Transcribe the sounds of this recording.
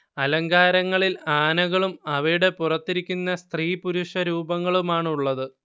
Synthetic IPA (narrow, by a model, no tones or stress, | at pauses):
ɐlɐŋɡaːɾɐŋːɐɭilaːnɐɣɐɭumɐʋɐjuɽe̞purɐt̪ːiɾikʲːunːɐst̪riːpuɾuʂɐɾuːbɐŋːɐɭumaːɳuɭːɐðɨ